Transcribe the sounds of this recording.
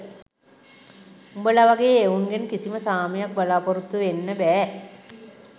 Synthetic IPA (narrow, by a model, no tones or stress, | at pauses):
umbəlaʋaɡejːeuŋɡenəkisiməsaːmijak̚bəlaːpoɾut̪ːuʋenːəbɛː